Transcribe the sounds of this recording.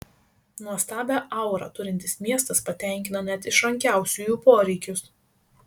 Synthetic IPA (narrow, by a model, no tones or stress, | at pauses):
nuɔst̪ɑːbʲæʔɐˑʊɾɑ̰ːt̪ʊɾʲɪnʲt̪ʲɪsmʲiɛst̪ɐspɐt̪ʲæˑŋʲkʲɪnɐnʲɛt̪ɪʃɐŋʲkʲæˑʊsʲujuːpoːɾʲɛɪkʲʊs